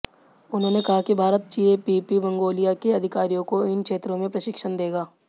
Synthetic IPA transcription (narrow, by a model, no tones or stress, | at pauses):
ʊnɦõːnekɐɦakibʱaːɾət̪̚t͡ʃiːepipibɐ̃ŋɡoːlijakeɐd̪ʱɪkaːɾijõkoɪnkʃeːt̪ɾõmẽpɾɐʃɪkʃənd̪eːɡaː